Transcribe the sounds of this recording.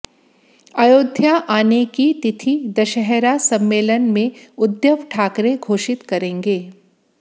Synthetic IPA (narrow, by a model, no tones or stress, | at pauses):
aːjoːd̪ʱjaʔaːnekit̪ɪt̪ʰid̪ɐʃəɦɾasɐ̃mːeːlənmẽʊd̪jəʋʈʰaːkɾeɡʱoːʃɪt̪kɐɾẽːŋɡeː